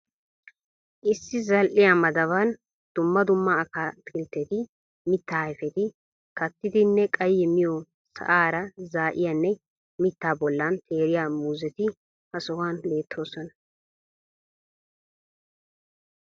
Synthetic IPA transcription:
ʔɪsːɪzɐlʔɪjamɐd̪ɐβɐn | d̪̥ʊmːɐd̪ʊmːɐːkaːt̪ʼɪlt̪ːɛt̪ɪ | mɪt̪ːaːjfɛt̪ɪ | kɐt̪ːɪd̪ɪnːɛkʼɐjːɛmɪjɔ | sɐ̰ʔaːɾɐzaːʔɪjanːɛ | mɪt̪ːaːbɔlːɐnt̪ʰe̞ːɾɪjaːmuːzɛt̪ɪ | hɐsɔwaːnle̞ːt̪ʰːo̞ːsɔnɐ

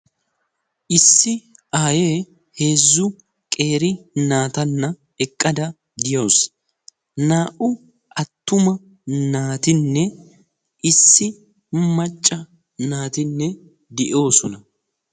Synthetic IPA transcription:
ʔɪsːɪʔaːjeː | he̞ːzːʊ | kʼe̞ːɾɪnaːt̪ɐnːɐ | ɛkʼːɐd̪ɐ | d̪ɪjoːs | naːʔʊ | ɐt̪ːʊmɐ | naːt̪ɪnːɛ | ɪsːɪ | mɐt͡ʃʼːɐ | naːt̪ɪnːɛ | d̪ɪʔo̞ːsɔnɐ

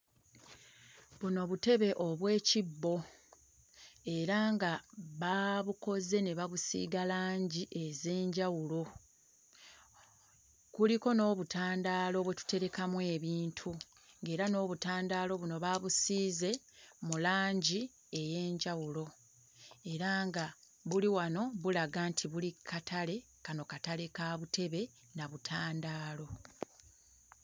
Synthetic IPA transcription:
βuno̞βute̞βe̞ʔo̞βwe̞ːcibːo̞ | e̞ɾaŋɡaβaβuko̞ze̞ne̞βaβusḭːɡalaːɲɟiʔe̞ze̞ːɲɟawulo̞ | kuliko̞no̞ːβutʰaːndaːlo̞βwe̞tu̥te̞ɾe̞kamwe̞ːβiːntʰu | ŋɡe̞ːɾano̞ːβutaːndaːlo̞βuno̞βaːβusiːze̞ | mulaːɲɟi | e̞je̞ːɲɟawulo̞ | e̞ɾaŋɡa | βuliwano̞βulaɡantʰiβulikʰatʰale̞ | kano̞katale̞kaːβutʰe̞βe̞ | naβutʰaːndaːlo̞

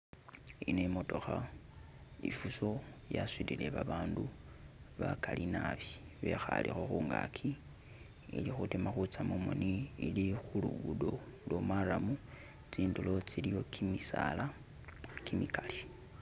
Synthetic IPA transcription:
inemo̞to̞xa | ifuso̞jaswilileβaβaːndu | βakalinaβiβe̞xa̰lixo̞xuːŋɡa̰kʰi | ḭlixutimaxut͡samumo̰niilixulṵɡudo̞lwomaɾamu | t͡siːndulo̞t͡silijo̞kʰimisala | kimikali

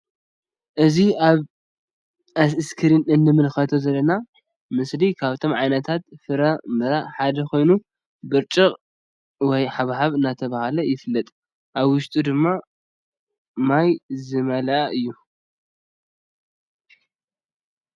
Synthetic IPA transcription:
ʔɨziaβ | ʔasɨskʰɨɾinɨnːɨmɨlxɐt̪ʰo̞zɐlːɐna | mɨslikʰaβt̪ʰo̞mʕajnɐt̪ʰat̪fɨɾamɐɾaħad̪ɐkʰo̞jnu | bɨɾt͡ʃʼɨqʼ | wɔjħaβhaβɨnat̪ʰɐβahalɐjɪfɨlːɐt̪ʼ | ʔaβwʊʃt̪ʼud̪ɨmːa | majzɨmɐlɐʔaʔɨjːu

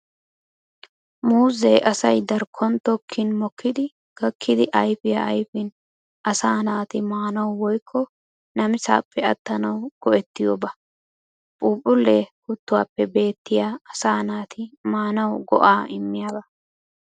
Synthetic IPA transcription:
muːzeːʔɐsɐjd̪ɐɾkʰɔnt̪ɔkʰːɪnmɔkʰːɪd̪ɪ | ɡ̥ɐkʰːɪd̪ɪʔɐjfɪja̰ɐjfɪn | ʔɐsaːnaːt̪ɪmaːnɐwwɔjkʰːɔ | nɐmɪsa̰ːpːɛɐt̪ːɐnɐwɡ̥ɔʔɛt̪ːɪjoːbɐ | pʼuːpʼːʊlːehʊt̪ːʊwa̰ːpːɛbe̞ːt̪ːɪjaːɐsaːnaːt̪ɪmaːnɐwɡɔ̰ʔaːɪmːɪjaːbɐ

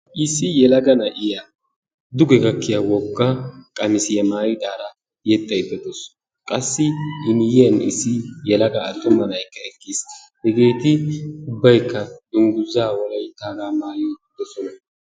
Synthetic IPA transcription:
ʔɪsːɪjɛlɐɡɐnɐʔɪjɐ | d̪ʊɡɛɡɐkːɪjɐwɔɡːakʼɐmɪsɪjɐmaːjɪt̪ʼaːɾɐ | jɛt̪ʼːɐjb̪ɛd̪ɔs | kʼɐsːɪɪnjɪjɐnɪ̰sːɪjɛlɐɡɐːt̪ːɔmːɐnɐjkːɐɛkːis | hɛɡe̞ːt̪ɪʊbːɐjkːɐɪŋɡʊzːaːwɔlɐjt̪ːaːɾaːmaːjid̪̥ɔsɔnɐ

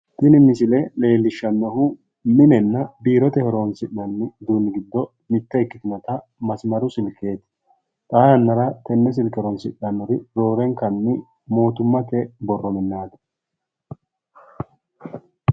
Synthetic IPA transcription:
t̪ɪnɪmɪsɪlɛle̞ːlːɪʃːɐnːɔhʊ | mɪnɛnːɐbiːɾɔt̪ɛhɛɾoːnsɪɗːɐnːɪd̪uːnːɪɡɪd̪ːɔ | mɪt̪ːɐɪkːɪt̪ɪnɔt̪ɐ | mɐsmɐɾʊsɪlkʼe̞ːt̪ɪ̥ | t̪ʼaːjɐnːɐɾɐt̪ɛnːɛs̬ɪlkɛɾɔnsɪ̰ᶑːɐnːɔɾɪɾo̞ːɾɛŋkɐnːɪ | mo̞ːt̪ʊmːɐt̪ɛbɔrːɔmɪnːaːd̪ɐ̥

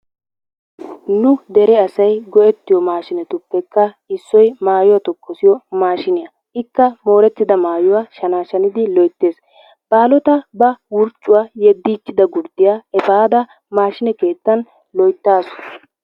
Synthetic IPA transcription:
nʊd̪ɛɾɛɐsɐjɡɔʔɛt̪ːɪjɔmaːʃɪnɛt̪ʊpːɛkːɐ | ɪsːɔjmaːjʊwat̪ɔkʰʼːɔsɪjɔmaːʃɪnɪjɐ | ɪkːɐmo̞ːɾɛt̪ːɪd̪ɐmaːjʊwaːʃɐnaːʃɐnɪd̪ɪlɔjt̪ːe̞ːs | b̥aːlɔt̪ɐbɐwʊɾt͡ʃʼːʊwaːjɛd̪ːiːt͡ʃːɪd̪ɐɡʊɾd̪ɪjaːɛfaːd̪ɐ | maːʃɪnɛke̞ːt̪ːɐn | lɔjt̪ːaːsɔ̥

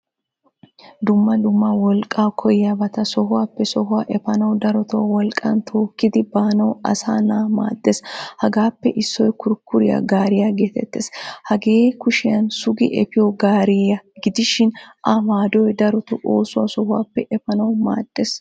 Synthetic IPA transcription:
d̪ʊmːɐd̪ʊmːɐwɔlkʼːaːkʰɔjɪjɐbɐt̪ɐsɔɦʊwaːpːɛsɔhʊwaːʔɛfɐnɐwd̪ɐɾɔt̪ɔwɐwɔlkʼːɐnt̪ʰo̞ːkːɪd̪ɪbaːnɐwɐ̰saːnama̰ːd̪̥ːeshɐɡaːpːɛʔɪsːɔjkʊɾkːʊɾɪjɐ̰ɡaːɾɪjaɡeːt̪ɛ̰t̪ːḛːshɐɡe̞ːkʊʃɪjɐnsʊɡɪ̰ʔɛpɪjɔɡaːɾɪɐɡɪd̪ɪʃɪnʔɐmaːd̪ɔjd̪ɐɾɔt̪ʊʔoːsʊwɐsɔhʊwa̰ːpːɛʔɛfɐnɐwma̰ːd̪̥ːeːs

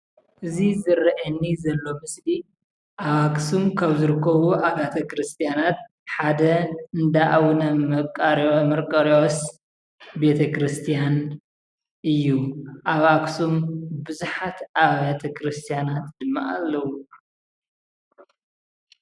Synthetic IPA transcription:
ʔɨzizɨɾʔɐnːizɐlːo̞mɨsli | ʔaβaksumkʰaβzɨɾɨkːɐβuʔaβat̪ʰɐkɾɨst̪ʰijanat̪ | ħad̪ɐɨnd̪aʔawnɐmːɐkʼɐɾmɐɾkʼɐɾos | be̞t̪ʰɐkɾɨst̪ʰijan | ʔɨjːuʔaβaksumbɨzuħat̪aβat̪ʰɐkɾɨst̪ʰijanat̪d̪ɨmːa̰ʔa̰lːɐwu

